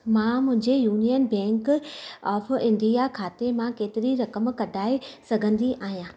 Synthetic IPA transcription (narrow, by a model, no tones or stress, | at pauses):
mãmʊ̃ɦɪ̃ɲd͡ʑejuːnijənbɛ̃ːŋkɔːfʰɪ̃nɖ̪ijakʰaːt̪emãkeːt̪ɪɾiɾɐkəmkɐɖʱaːesɐɡʱə̃nd̪iʔʔaːɦijãː